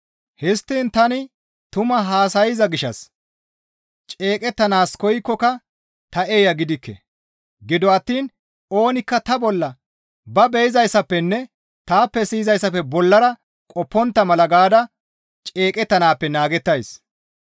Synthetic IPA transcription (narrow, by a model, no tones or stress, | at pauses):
hɪst̪ːiːnt̪ɐnɪ | t̪ʊmɐɦaːsɐjɪzɐɡɪʃːɐ̰s | t͡ʃʼeːkʼɛt̪ːɐnaːskɔjkːɔkɐ | t̪ɐʔeːjɐɡɪd̪ɪkːɛ̰ | ɡɪd̪ɔɐt̪ːiːn | o̞ːnɪkːɐt̪ɐbɔlːɐ | bɐbɛjɪzɐjsːɐpːɛnːɛ | t̪aːpːɛsiːzɐjsːɐpːɛbɔlːɐɾɐ | kʼɔpːɔnt̪ːɐmɐlɐɡaːd̪ɐ | t͡ʃʼe̞ːkʼɛt̪ːɐnaːpːɛnaːɡɛt̪ːɐjs